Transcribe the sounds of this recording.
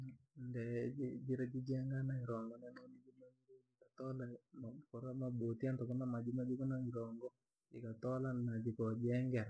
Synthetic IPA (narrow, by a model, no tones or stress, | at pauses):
ndɛd͡ʒɪd͡ʒiɾed͡ʒid͡ʒɛŋɡanaiɾɔŋɡɔnananid͡ʒiloɲiikatɔlamakɔɾamabotjantɔkɔnamad͡ʒimad͡ʒikɔnaŋiɾɔŋɡɔ | d͡ʒɪkatɔlanad͡ʒikɔd͡ʒɛŋɡɛɾ